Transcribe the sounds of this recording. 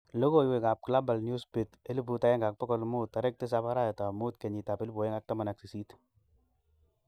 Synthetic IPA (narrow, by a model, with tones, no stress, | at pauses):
lo˦ko˦iwe˨ka˨p̚kla˦ba˨lnju˦spe˨te˦li˦pu˨ta˦ɛ˦ŋɡa˨k̚pɔ˦kɔ˦lmʊ˦ta˨ɾɛ˦k̚te˦s̬apa˦ɾa˦jɛ˨ta˨mu˦tke˨ɲi˨ta˨pe˦lpo˨je˦ŋa˨k̚ta˦ma˨na˨ksi˨si˦t